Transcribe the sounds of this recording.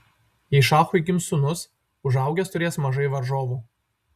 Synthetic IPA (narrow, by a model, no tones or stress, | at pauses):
iːʃɑːxʊɪɡʲɪmsʊnʊs | ʊʒɐˑʊɡʲɛst̪ʊɾʲeːsmɐʒɐɪʋɐɾʒoːʋuː